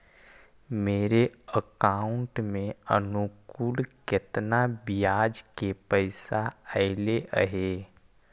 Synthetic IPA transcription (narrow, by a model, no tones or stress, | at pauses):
meːɾeəkaːʊɳʈmẽənukuːlkɪt̪nabijaːd͡ʒkepəɪsaəɪleʔə̰ɦe